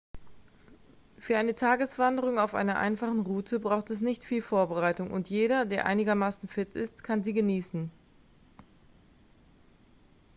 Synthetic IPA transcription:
fyːɐʔaɪnətʰaːɡəsv̥andəʁ̞ʊŋaʊfʔa̰ɪnɐʔa̰ɪnfaχn̩ʁuːtʰəbʁaʊxtɛs̬nɪçtfiːlfoːɐbəʁaɪtʊŋʔʊ̰ntjeːɾɐdeːɐʔa̰ɪnɪɡɐmaːsn̩fɪtɪ̰stkʰanziːɡəniːsn̩

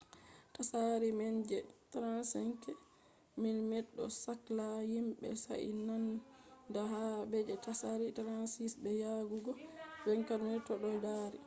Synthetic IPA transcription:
tasaɾimɛɲd͡ʒɛtɾansɛŋkɛ | minmɛɗːɔ̰saklahimɓɛ̰sa̰ʔḭnandaɦabɛd͡ʒɛtasaɾitɾansisbɛjaɡuɡɔbɛŋkaɾnɛtɔɗɔjdaːɾi

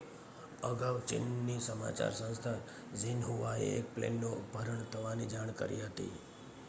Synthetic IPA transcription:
əɡaʋt͡ʃɪ̰nːisəma̰t͡ʃa̰ɾsə̃nst̪ʰa | zinɦuʋaḛek̚plḛnːobʱəɾəɳt̪ʰəʋanid͡ʒaɽ̃kəɾḭɦət̪ḭ

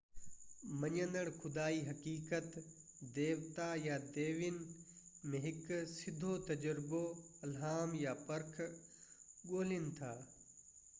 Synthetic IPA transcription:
mɐɲə̃nd̪əɽ̃xʊd̪aːiɦɐkiːkət̪ | d̪eːʋt̪ajad̪eːʋɪnɪ | mẽɦɪksɪd̪ʱot̪ɐd͡ʑəɾɪboɐlɦaːmjapɐɾkʰ | ɠoːlɪnɪ̆t̪ʰaː

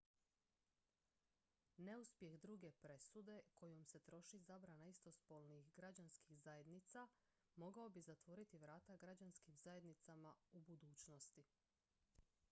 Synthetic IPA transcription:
ne̞uspje̞xd̪ɾuːɡe̞pɾe̞sud̪e̞ko̞jomse̞t̪ɾo̞ʃizabɾanaist̪o̞spolnixɡɾad͡ʑanskiɣzaje̞d̪nit̪sa | mo̞ɡao̞bizat̪ʋo̞ɾit̪iʋɾaːt̪aɡɾad͡ʑanskimzaje̞d̪nit̪samaubud̪uːt͡ɕno̞st̪i

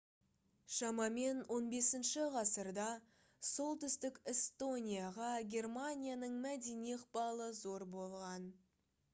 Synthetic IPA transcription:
ʃɑmɑme̞nwʔo̞nbe̞sɪnʃɪʁɑsəɾd̪ɑ | so̞lˠt̪ʏst̪ɪkest̪o̞nʲijɑʁɑɡʲe̞rmanʲijanəɴmæd̪eniqpɑlˠəzo̞ɾbo̞lˠʁɑn

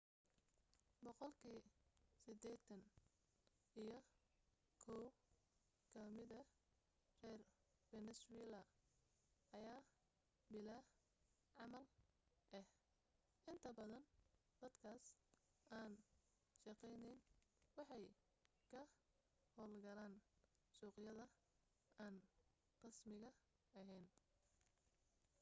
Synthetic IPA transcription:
bɔqɔlkʰiːsɪd̪ɛːt̪ʰɐn | ijɞ | kʰɔw | kʰɐmɪðɐ | rɛːr | fɛnɛsʊwɛlɐ | ɐjaː | bɪla | ʕɑmɐl | ɛh | ʔɪnt̪ʰɐbɐðɐnd̪̥ɐd̪kʰaːsaːn | ʃɑqɛjnɛjnwɑħɑj | kʰɐ | hɔːlɡɐlaːn | suːqjɐðɐ | aːn | qɑsmɪɣɐ | ɐɦɛjn

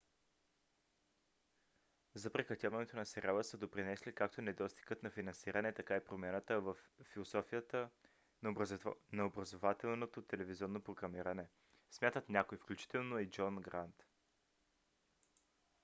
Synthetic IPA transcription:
zɐpɾɛkɾɐt̪ʲavɐnɛt̪onɐsɛɾʲalˠəsəd̪opɾinɛslikakt̪onɛd̪ɔst̪i̥ɡət̪nɐfinɐnsiɾənɛt̪ɐkaipɾomʲjanət̪əvəfːilˠosɔfijət̪ə | nnɐobɾɐzovat̪ɛlˠnot̪ot̪ɛlɛviziɔnːopɾoɡɾɐmiɾənɛ | smʲjat̪ət̪nʲakojfklʲut͡ʃi̥t̪ɛlˠnoid͡ʒɔnɡɾant̪

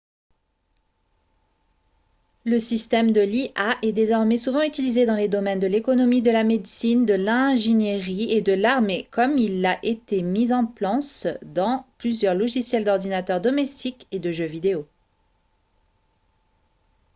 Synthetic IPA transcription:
ləsist̪ɛmd̪əliʔaʔɛd̪ezɔʁmesuvɑ̃yt̪ilized̪ɑ̃led̪ɔmɛnd̪əlekɔnɔmid̪əlamed̪sind̪əlɛ̃ʒenjeʁied̪əlaʁmekɔmilaʔet̪emizɑ̃plɑ̃sd̪ɑ̃plyzjœʁlɔʒisjɛld̪ɔʁd̪inat̪œʁd̪ɔmɛst̪iked̪əʒøvid̪eo

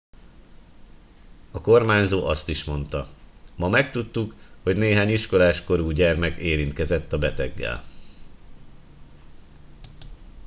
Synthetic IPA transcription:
ɒko̞rmaːɲzoːʔɒst̪iʃmo̞nt̪ɒmɒmɛkt̪ut̪ːukho̞ɟneːɦaːɲiʃko̞laːʃko̞ɾuːɟɛrmɛkeːɾint̪kɛzɛt̪ːɒbɛt̪ɛɡːɛ̰l

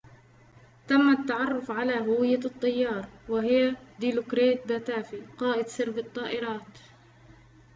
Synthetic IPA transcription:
t̪amːat̪ːaʕɑrˤːʊfʕalaːɦʊwɪjːat̪ˤːɑjːɑːɾˤwɪɦɪjad̪ɪlʊkɾeːt̪̚b̪at̪aːfiqɑːʔɪd̪sɪɾbɨt̪ˤːɑːʔɪɾɑːt̪

